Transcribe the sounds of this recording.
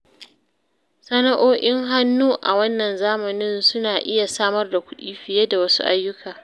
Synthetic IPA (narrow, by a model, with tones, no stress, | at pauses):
sɐ˦na˦ʔoː˦ʔʲɪ˦ŋɦa˦nːuː˦ʔa˨wɐ˦nːɐ˨nzaː˦mɐ˨nɪ˦nsʊ˦naː˨ʔɪ˦ja˨saː˦mɐ˦rda˨kʷʊ˦ɗiː˦ɸɪ˨jeː˦da˨wɐ˦sṵ˦ʔa̰˦jːʊ˦kʰaː˨